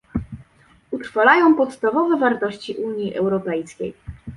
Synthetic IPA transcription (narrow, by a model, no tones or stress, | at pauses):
ut̪ɾfalajɔ̃w̃pɔt̪st̪avɔvɛvaɾt̪ɔɕt͡ɕiʔuɲjiʔɛ̰wɾɔpɛjskʲḛj